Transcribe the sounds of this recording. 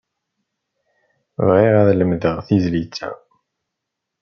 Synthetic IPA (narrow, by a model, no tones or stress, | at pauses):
vʁiʁæðləmðəʁθizlit͡sːæ̰